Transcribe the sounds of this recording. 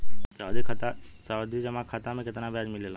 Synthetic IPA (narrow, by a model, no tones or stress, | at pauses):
saːd̪ikʰat̪asaːd̪id͡ʒɐmakʰat̪amẽkɪt̪nabaːd͡ʒmɪlelã